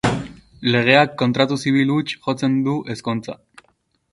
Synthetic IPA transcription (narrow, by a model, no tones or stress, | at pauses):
le̞ɣ̞e̞akːo̞nt̪ɾat̪usiβ̞ilut͡ʃʝo̞t͡se̞nd̪uʔe̞skont͡sa̰